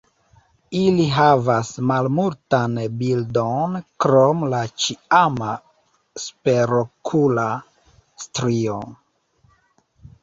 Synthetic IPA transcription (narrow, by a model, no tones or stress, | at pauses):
iliɦavasmalmultanbildonkɾomlat͡ʃiama | speɾokʰula | stɾio